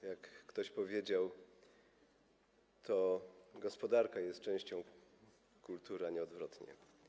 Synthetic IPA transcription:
jakːt̪ɔɕpɔvʲjed͡ʑaw | t̪ʰɔɡɔspɔd̪aɾkajɛst̪t͡ʂɛ̃w̃ɕt͡ɕɔ̃w̃ | kult̪uɾaɲɛɔd̪vɾɔt̪ɲɛ̰

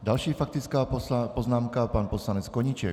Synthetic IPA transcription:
dalʃiːfak̚t̪it͡skaːpɔznaːmkapaːnpɔslaɲɛt͡skɔɲit͡ʃɛ̰k

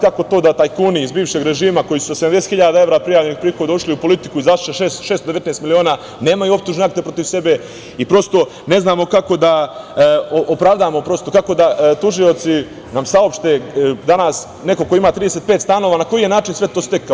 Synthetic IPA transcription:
kako̞t̪oːd̪at̪ajkuːniizbiːʋʃeɡɾeʒiːmako̞jisuosed̪amd̪eset̪xiʎaːd̪ae̞ʋɾaːpɾijaːʋʎenixpɾiːxo̞d̪auʃliupo̞lit̪i̥kuizaʃʃeʃeːst̪ʃeːst̪od̪ee̞t̪neːst̪milio̞ːnaː | ne̞ːmajuop̚t̪uːʒneakt̪epɾo̞t̪iʋse̞be̞ | ipɾo̞st̪o̞ | ne̞znaːmo̞kako̞d̪a | oʔopɾaːʋd̪aːmo̞pɾo̞st̪o̞kakod̪at̪uʒio̞t̪si | namsao̞pʃt̪ed̪anaːs | ne̞ko̞koimaːt̪ɾiːd̪eset̪pet̪st̪ano̞ʋaːnako̞jije̞naːt͡ʃinsʋe̞t̪oːst̪e̞ka

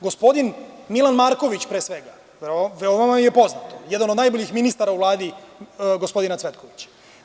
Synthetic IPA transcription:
ɡo̞spo̞d̪inmilˠanmaɾko̞ʋit͡ɕpɾeːsʋe̞ɡa | ʋeoʋamamjepo̞znat̪ojed̪anod̪najboʎixminist̪aɾauʋlˠaːd̪iɡo̞spo̞d̪inat̪sʋe̞t̪̚ko̞ʋit͡ɕḁ

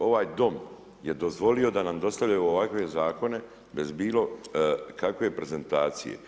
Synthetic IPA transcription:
o̞ʋaːjd̪o̞m | je̞d̪o̞zʋo̞lio̞d̪anamd̪o̞st̪avlʎajuoʋakʋe̞zaːko̞ne̞ | be̞zbiːlo̞kakʋepɾe̞ze̞nt̪aːt̪sḭjḛ

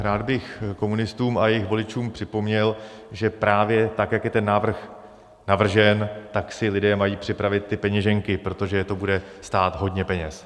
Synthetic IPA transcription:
ɾaːd̪bɪxko̞munɪst̪uːmʔajɛjɪxvo̞lɪt͡ʃuːmpr̝̥ɪpo̞mɲɛl | ʒɛpɾaːvjɛt̪akjakjɛt̪ɛnːaːvr̩x | navr̩ʒɛnt̪aksɪlɪdɛːmajiːpr̝̥ɪpɾavɪt̪̚ːɪpɛɲɛʒɛŋkɪpɾo̞t̪o̞ʒɛt̪o̞budɛ | st̪aːt̪ɦo̞dɲɛpɛɲɛs

